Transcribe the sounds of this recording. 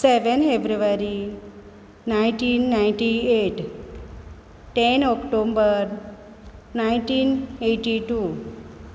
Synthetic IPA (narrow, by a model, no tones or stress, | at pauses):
seʋənfebɾuʋaɾi | naiɳʈinːaiɳʈieʈ | ʈenɔkʈombəɾ | nainʈiːneʈiʈu